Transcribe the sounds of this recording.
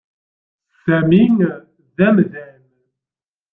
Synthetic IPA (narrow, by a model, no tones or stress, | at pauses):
sæmiŋ | ðæmðæn